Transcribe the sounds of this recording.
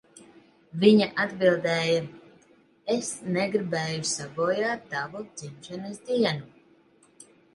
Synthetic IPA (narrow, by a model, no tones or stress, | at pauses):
viɲaʔad̪bilˠd̪ɛːja | esnɛɡɾibɛːjusaɡɔːjaːt̪t̪ːavud̪z̥imʃɛnɨsd̪iɛnu